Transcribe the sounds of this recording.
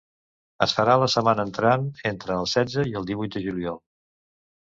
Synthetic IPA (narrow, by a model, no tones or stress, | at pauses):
əsfəɾaləsəmanəːnt̪ɾanent̪ɾəːlˠsɛdd͡zəiəlˠd̪iβujt̪̚d̪əʒuliɔlˠ